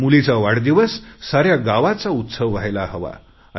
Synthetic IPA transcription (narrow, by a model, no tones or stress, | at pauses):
mulit͡saʋaɽd̪iʋəsːaɾjaɡaʋat͡saut̪səʋːajlahəʋa̰